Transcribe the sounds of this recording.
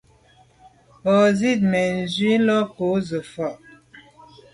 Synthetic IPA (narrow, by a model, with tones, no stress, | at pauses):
ɔ˨zi˦˨t̚mɛ˨n̩˨zɥi˦lɔ˦ko˨˦zə˨fɔ˨ʔ